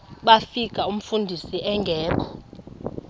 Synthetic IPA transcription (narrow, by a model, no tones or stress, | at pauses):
ɓafik̬ʼaum̩fundʱisiʔɛŋɡʱɛːɓɔ